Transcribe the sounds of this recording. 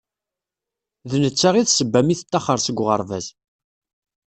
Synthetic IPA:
ðnət͡sːaʁiðsəbːæmiθə̥t̪ːɑχəɾˤsəɡʷːʁəɾˤvæz

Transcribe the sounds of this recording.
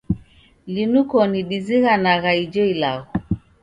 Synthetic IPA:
linukɔniɗiziɣanaɣaid͡ʒɔila̰ɣɔ

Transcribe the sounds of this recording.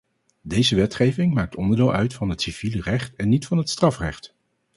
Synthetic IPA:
dejzəʋɛtχejvɪŋmaːk̚tɔndəɹdɪːlˠʔœɥtfɑnɦətsiv̥ilərɛχtɛnːitfɑnɦətstrɑfrɛ̰χt

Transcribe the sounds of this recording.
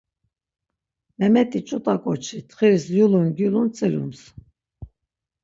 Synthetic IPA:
mɛmɛt̪ʼit͡ʃʼut̪ʼakʼɔt͡ʃʰit̪ʰχiɾsjulunɡjulunt͡sʼiɾṵms

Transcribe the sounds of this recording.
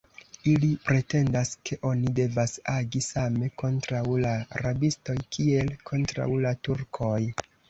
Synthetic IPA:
ilipɾe̞te̞ndaskʰe̞ʔo̞nide̞vasaɡisame̞ko̞ntɾawlaa̰ɾabisto̞jkʰie̞lkʰo̞ntɾa̰wlatuɾkʰo̞j

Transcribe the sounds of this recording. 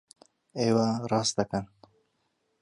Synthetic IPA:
ewaɾɑst̪akan

